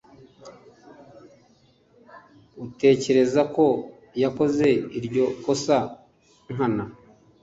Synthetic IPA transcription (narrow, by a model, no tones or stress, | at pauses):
ute̞ːce̞ɾe̞zako̞ | jako̞ze̞iɾɟo̞ko̞sa | ŋ̥ɦana